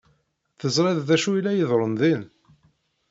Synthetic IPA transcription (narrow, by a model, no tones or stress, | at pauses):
θəzɾˤiððæʃuilːæjəðˤɾˤənðil